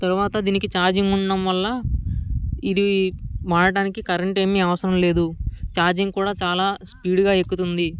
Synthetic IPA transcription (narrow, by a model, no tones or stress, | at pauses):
t̪ɐɾuʋaːt̪ɐd̪iːnikit͡ʃaːɾd͡ʒiŋɡuɳɖɐmʋɐlːɐ | id̪iʋaːɽɐɽaːnikikɐɾeɳʈe̞ːmiːɐʋɐsɐɾɐmle̞ːd̪ut͡ʃaːɾd͡ʒiŋkuːɽaːt͡ʃaːlaːspiːɽuɡaːekːut̪und̪i